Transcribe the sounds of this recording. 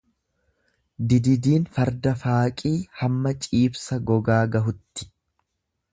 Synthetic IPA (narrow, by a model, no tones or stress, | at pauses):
d̪ɪd̪ɪd̪iːnfɐɾd̪ɐfaːkʼiːhɐmːɐt͡ʃʼiːbsɐɡɔɡaːɡɐɦʊt̪ːɪ̥